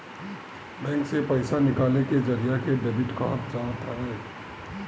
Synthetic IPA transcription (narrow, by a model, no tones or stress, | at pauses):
bɛ̃ːŋksepɐɪsanɪkaːleked͡ʒɐɾijakebeːbɪʈkaɦət̪d͡ʒaːt̪aɦɛː